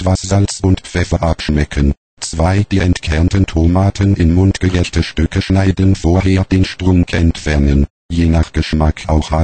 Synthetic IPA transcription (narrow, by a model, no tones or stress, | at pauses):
v̥asz̥alt͡sʊntfɛfɐʔapʃmɛkʰən | t͡sv̥aɪd̥iːɛntkʰɛɐntəntʰomaːtʰənɪnmʊntɡ̥əʁɛçtəʃtʏkəʃnaɪdənfoːɐɦeːɐd̥eːnʃtʁ̥ʊŋkʰʔɛ̰ntfɛɐnən | jeːnaχɡ̥əʃmakʰaʊxha